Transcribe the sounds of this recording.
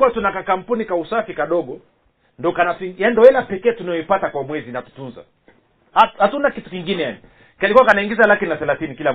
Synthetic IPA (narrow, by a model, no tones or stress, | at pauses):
kuwatunakakam̩punikausafikaɗɔɠɔ | ndɔkanatjandɔɛlapɛkɛːtunajɔipatakwamwɛzinatu̥tunza̰ | ahatunakitu̥kiŋɡinɛjani | kalikuwakanaiŋɡizalakinaθɛlaθinikila